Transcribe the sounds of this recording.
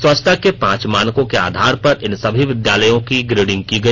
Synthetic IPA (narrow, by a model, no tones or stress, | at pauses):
swɐt͡ʃt̪ʰakepãːt͡ʃmãːnkõkea̰ːd̪ʱaːɾpɐɾɪnsɐbʱiʋɪd̪jaːləjõkiɡɾeːɖɪ̃ŋɡ̚kiɡɐi